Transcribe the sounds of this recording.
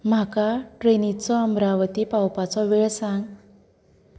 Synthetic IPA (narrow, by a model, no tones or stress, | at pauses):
m̤akaʈɾenit͡sɔəmɾaʋət̪ipawpat͡sɔʋeɭsãŋɡ